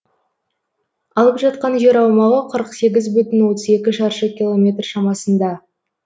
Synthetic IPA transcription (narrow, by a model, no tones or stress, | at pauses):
ɑlˠəpʒɑt̪̚qɑnʒe̞ɾɑwmɑʁəqʰəɾəqse̞ɡʲɪzbʏt̪ɪnwo̞t̪əze̞kʲɪʃɑɾʃəkʲilˠo̞mʲe̞t̪rʃɑmɑsənd̪ɑ